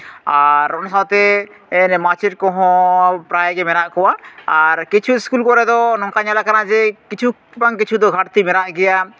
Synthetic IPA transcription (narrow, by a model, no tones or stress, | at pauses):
aɾɔnasawt̪ɛ | ɛnmat͡ʃeʈ̚kɔɦɔ̃pɾajɡɛmɛɾaʔkɔwaːɾkit͡ʃʰuskulkɔɾɛd̪ɔnɔ̃ŋkaɲalakanad͡ʒɛkit͡ʃʰu | baŋkit͡ʃʰud̪ɔɡʱaʈt̪imɛɾaʔɡɛja